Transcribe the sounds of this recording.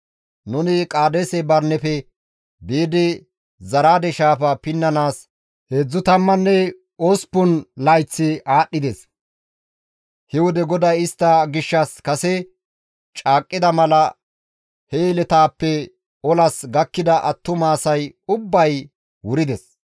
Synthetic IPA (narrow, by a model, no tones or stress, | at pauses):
nʊnɪkʼaːd̪eːsɛbɐɾnɛfɛ | beːd̪ɪ | zɐɾaːd̪ɛʃaːpɐpɪnːɐnaːs | hed͡zːʊt̪ɐmːɐnːɛ | ospʊnlɐjt͡sːɪʔaːɗːɪd̪ɛs | hɛwɔd̪ɛɡɔd̪ɐjɪst̪ːɐɡɪʃːɐskɐsɛ | t͡ʃʼaːkʼːɪd̪ɐmɐlɐ | helɛt̪aːpːɛ | ɔlɐsɡɐkːɪd̪ɐʔɐt̪ːʊmaːsɐjʊbːɐj | wʊɾɪd̪ɛs